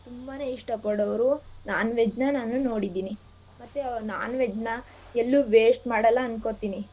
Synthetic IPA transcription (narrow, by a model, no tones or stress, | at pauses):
t̪umbaːne̞ːiʂʈɐpɐɽɐʋɾunaːnʋed͡ʒnɐnaːnuno̞ːɽid̪iːni | mɐt̪ːeɐnaːnʋed͡ʒnɐ | elːuʋeːsʈmaːɽɐlːɐːnkot̪iːni